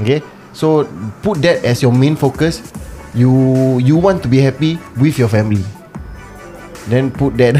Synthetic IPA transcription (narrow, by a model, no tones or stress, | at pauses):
oke | soput̚dɛtɛsjɔmẽnfokəsjujuwɔ̃ntːubihɛpiwifjɔfɛ̃mili | dɛ̃nput̚dɛt̚